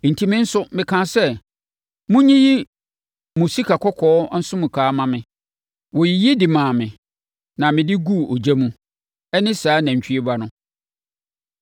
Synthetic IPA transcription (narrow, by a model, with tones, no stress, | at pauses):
n̩˨tʰi˦mɪ̃˦n̩˦sʊ˦mɪ̃˨kʰã˦nsɛ˦ | mũ˦ɲĩ˦ji˦ | mʊ̃˨si˦kʰa˨kʰɔ˦kʰɔː˦n̩˦sʊ̃˦mũ˨kʰaː˨˦mã˨mɪ̃˨ | wɔ˨ji˨ji˦dɪ˨mã˨mɪ̃˨ | nã˨mɪ̃˨dɪ˦ɡu˦˨o˨d͡ʑæ˦mũ˦ | ɛ˦nɪ̃˦saː˨˦næ̃˨ɲ̩˨t͡ɕᶣɥe˦ba˦nʊ̃˦